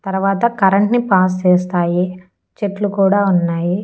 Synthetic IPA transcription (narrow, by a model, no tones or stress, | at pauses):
t̪ɐɾuʋaːt̪ɐkɐɾɐɳʈnipaːs̬t͡ʃɛːst̪aːji | t͡ʃeʈlukuːɽaːunːaːji